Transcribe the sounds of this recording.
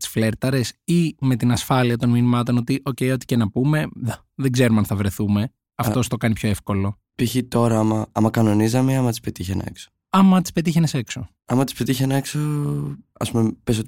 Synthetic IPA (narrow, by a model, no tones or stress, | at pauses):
t̪i̥sfle̞ɾt̪ɐɾe̞sime̞t̪inɐsfɐliɐt̪o̞nminimɐt̪o̞no̞t̪iʔo̞ce̞ijo̞t̪i̥ce̞nɐpume̞ðɐ | ðeɡze̞ɾumɐnθɐvɾe̞θume̞ | ɐft̪o̞st̪o̞kɐnipço̞e̞fko̞lo̞ | piçit̪o̞ɾɐɐmɐɐmɐkɐno̞nizɐmeɐmɐt̪ispet̪içenɐ̰ḛkso̥ | ɐmɐt̪i̥spe̞t̪içenese̞kso̞ | ɐmɐt̪i̥spet̪içenɐekso | ɐ̰spumepes̬ot̪